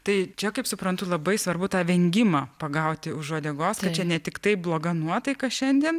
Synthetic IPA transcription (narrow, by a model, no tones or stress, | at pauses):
t̪ɐɪt͡ʃʲɛkɐɪpsʊpɾɐnt̪ʊlˠɐbɐɪsʋɐrbʊt̪ɑːʋʲɛŋʲɡʲɪmɑːpɐɡɐʊt̪ʲɪʊʃʒoɔd̪ʲɛːɡoːskɐt̚t͡ʃʲɛnʲɛt̪ʲɪkt̪ɐɪblˠoːɡɐnuɔt̪ɐɪkɐʃʲɛnʲd̪ʲiɛn